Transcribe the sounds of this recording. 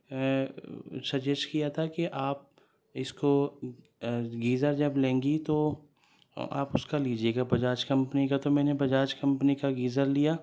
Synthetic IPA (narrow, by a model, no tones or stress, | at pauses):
sɐd͡ʒɛskijat̪ʰakeʔaːp̚ | ɪsko | ɡiːzəɾd͡ʒɐblẽːŋɡit̪o | a̰ːpʊskaliːd͡ʒieːɡabɐd͡ʒaːt͡ʃkɐ̃mpnikat̪omɛːnebɐd͡ʒaːt͡ʃkɐ̃mpnikaɡiːzəɾlijaː